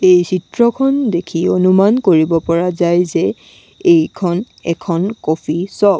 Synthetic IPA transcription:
ejsitɹɔkʰɔndekʰionumankoɹibɔpɔɹazajzɛ | ejkʰɔn | ɛ̰kʰɔnkopʰisɔb

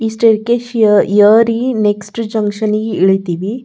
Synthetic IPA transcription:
isʈeɾkeʃjɐɾineksʈd͡ʒɐŋkʂɐniɡeiɭit̪iːʋi

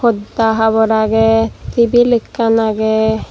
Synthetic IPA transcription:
ɔd̪aɦaβɔɾaɡet̪ibilikːanaɡe

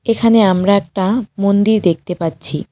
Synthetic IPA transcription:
ekʰaneamɾaɛk̚ʈamond̪iɾd̪ek̚t̪epatːɕʰi

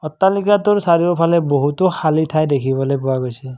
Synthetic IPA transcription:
ɔt̪ːalikatʊɹsaɹiopʰalɛboɦutɔxalitʰajdekʰibɔlojpɔwaɡojsɛ

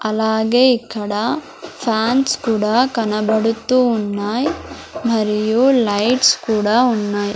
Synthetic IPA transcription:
ɐlaːɡeikːɐɽɐ | pʰaːnskuːɽakɐnɐbɐɽut̪ːuːnːaːjmɐɾijulɐjʈskuːɽaunːaːj

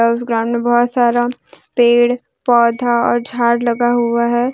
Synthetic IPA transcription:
aʊs̬ɡɾãːnmebɔɦɔt̪saːɾapeːɽ | pɔːd̪ʱaɔ̰ːɾd͡ʒʱaːɾlɐɡaɦʊaɦɛː

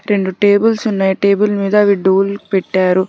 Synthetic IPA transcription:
ɾe̞ɳɖuʈe̞ːbɐlsunːaːjiʈe̞ːbɐlmiːd̪ɐːʋiɖuːlpɛʈːaːɾu

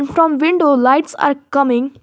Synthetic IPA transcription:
nfɾɔ̃mʋɪ̃ɳɖolaɪʈsa̰ːɾkʌmɪ̃ŋ

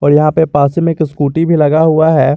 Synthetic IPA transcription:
ɔːɾjɐɦãpepaːsimɪkɪskuːʈibʱilɐɡaɦʊaɦɛː

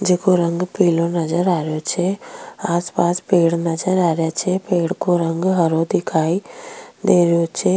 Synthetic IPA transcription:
d͡ʒekoɾə̃ŋɡpiːlõnɐd͡ʒəɾaːɾjot͡ʃʰeaːspaːspeːɽnɐd͡ʒəɾaːɾjat͡ʃʰepeːɽkoɾɐ̃ŋɡɦəɾod̪ɪkʰaːid̪eːɾjot͡ʃʰe

